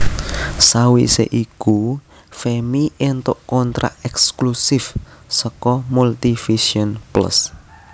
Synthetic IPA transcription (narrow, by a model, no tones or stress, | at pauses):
sawisḛʔiku | femiʔent̪ʊʔkɔnt̪ɾa̰ɛksklusɪfsɔkɔmult̪ifisiɔnplə̰s